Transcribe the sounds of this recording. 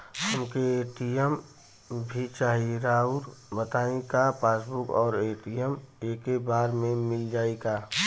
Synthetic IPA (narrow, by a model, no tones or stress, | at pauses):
həmkeeːʈijəm | bʱit͡ʃaːɦieɾaːuɾbət̪aːiẽkapʰaːsbʊkɔːɾeːʈiəmeːkebaːɾmẽmɪld͡ʒaːeɡaː